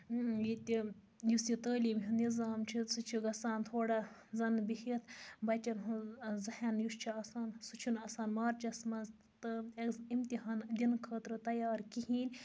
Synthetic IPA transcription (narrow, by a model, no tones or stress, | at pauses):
jit̪ʲi | jusit̪ɐəːliːmɦunizaːmt͡ʃʰisut͡ʃʰiɡɐsaːnt̪ʰoːɽɐzɐnbihit̪ʰbɐt̪ʲɐnɦuzɐhɐnjust͡ʃʰiɐsaːnsut͡ʃʰunɐsaːnmaːɾt͡ʃɐsmɐz | t̪ɨimt̪iɦaːnd̪inkʰɐːt̪ɾɨt̪ɐjaːɾkiɦiːnʲ